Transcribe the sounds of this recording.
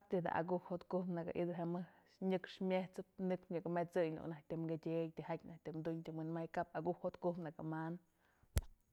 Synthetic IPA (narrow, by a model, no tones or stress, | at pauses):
apt̪id̪a̰ʔa̰ɡuʔhhot̪kupnaka̰ʔḭd̪ɨɦamɨsɲɨkʂmʲeht͡sɨp̚nɨkʂɲɨkamet͡sɨjlṵnahk̚ʲt̪ɨmɡedʲejt̪ʲihakʲnahk̚ʲt̪ɨmd̪uɲt̪imwɨnmajkapaɡuhhot̪kuhpnakaman